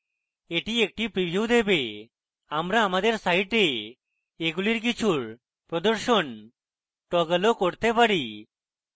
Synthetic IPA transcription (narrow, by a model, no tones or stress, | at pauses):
eʈiek̚ʈipɾibʱjuwd̪ebe | amɾaːmad̪eɾsaijʈe | eɡuliɾk̬it͡ɕʰuɾ | pɾɔd̪oɾʃon | ʈɔɡəlokoɾt̪epaɽi